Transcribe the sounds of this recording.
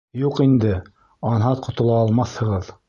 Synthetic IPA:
juqind̪ɘ | ɑnɦɑt̪qʰŏt̪ŏlˠɑːlˠmɑθhɤ̆ʁɤð

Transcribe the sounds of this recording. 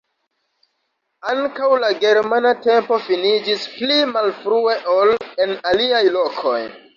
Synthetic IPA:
aŋkawlaɡe̞ɾmanate̞mpo̞finid͡ʒisplimalfɾue̞ʔole̞naliajlo̞kʰo̞j

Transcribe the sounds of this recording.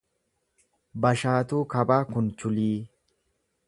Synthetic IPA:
bɐʃaːt̪uːkɐbaːkʊnt͡ʃʊliː

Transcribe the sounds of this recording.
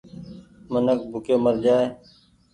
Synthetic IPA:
mənək̚bʱʊkeːməɾd͡ʒaːeː

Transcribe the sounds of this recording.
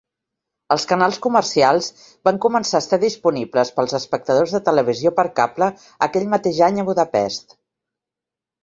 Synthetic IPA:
əlˠskənalˠskumərsialˠz | baŋkumənsaːst̪aðispunibləspəlˠzəspək̚t̪əðozðət̪ələβ̞iziopəɾkaplə | əkɛʎmət̪eʒaɲəβuðəpɛst̪

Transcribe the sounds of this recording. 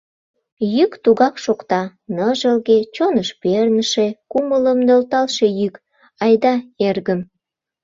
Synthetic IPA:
jykt̪uɣɑkʃokt̪ɑnəʒəlɣet͡ɕonəʃpernəʃekumələmnølt̪ɑlʃe̽jyk | ɑjd̪ɑerɣəm

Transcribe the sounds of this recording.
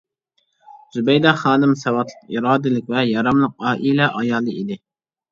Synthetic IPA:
z̥ubɛjd̪ɑχɑːnɨmsɛwɑt̪lˠə̥qiɾɑːd̪ɨlɪk̚ʲvɛjɑɾɑmlˠəq̚ɑːʔilɛʔɑjɑːlˠɨid̪ɪ

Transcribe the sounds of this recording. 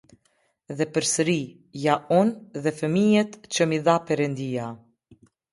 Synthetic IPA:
ðɛpəɾsəɾi | jaunðɛfəmijɛt̪t͡ɕəmiðapɛɾɛnd̪ia

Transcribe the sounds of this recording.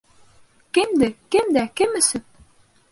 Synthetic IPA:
kɘmd̪ɘkɘmd̪ækɘmɘ̆sɘp̚

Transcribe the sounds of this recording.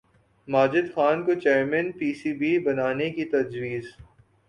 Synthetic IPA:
maːd͡ʒɪd̪xaːnkot͡ʃeːɾmənpiːsiːbibɐnaːnekit̪ɐd͡ʒwiːz

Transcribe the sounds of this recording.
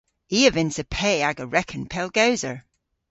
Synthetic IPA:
iːəvɪ̃nsəpʰɛːaɡəɹɛkʰə̃npʰɛlˠɡ̥awzə˞

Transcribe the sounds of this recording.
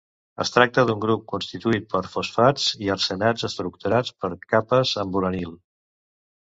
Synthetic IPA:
ə̰st̪ɾak̚t̪əðuŋɡɾup̚kunst̪it̪uit̪̚pəɾfusfad͡ziəɾsənad͡zəst̪ɾuk̚t̪uɾat͡spəɾkapəzəmbulənilˠ

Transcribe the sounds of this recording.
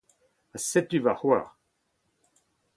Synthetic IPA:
asɛt̪yvahwa̰ːʁ

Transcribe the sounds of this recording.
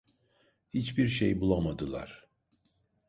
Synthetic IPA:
hit͡ʃbiɾʃejbulˠamad̪ɯlˠa̰ɾ̥

